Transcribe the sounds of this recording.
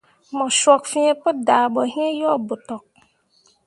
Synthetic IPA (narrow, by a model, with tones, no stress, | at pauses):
mɔ̃˨swɔ˨k̚fĩ˦ɛ̃˦pʊ˦daː˨bɔ˨ɦĩ˦ẽ˦jɔ˦˨bʊ˨tɔ˨k̚